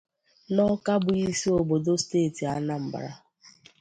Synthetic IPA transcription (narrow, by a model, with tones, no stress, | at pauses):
nɔ˦ka˦bʊ˨i˦si˦o˨bo˨do˦steː˦˨ti˨a˦na˦m̩˨ba̰˨ɾa̰˨